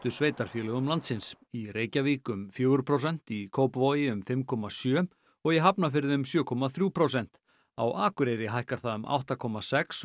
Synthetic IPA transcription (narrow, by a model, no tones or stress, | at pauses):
t̪ʏsveːjt̪aɾ̥fjœːlɛɣʏmlant̪sɪnsireːjcaviːkʏmfjœːɣʏɾ̥pʰɾowsɛn̥t̪ikʰoːwpvoːjɪʏmfɪmkʰɔmasjœː | ɔɣɛɦapnafɪɾðɪʏmsjœːkʰɔmaθɾjuːpʰɾowsɛn̥t̪ | a̰wʔaːkʏɾejɾɪɦajhkaɾ̥θaðʏma̰wht̪akʰɔmːasɛks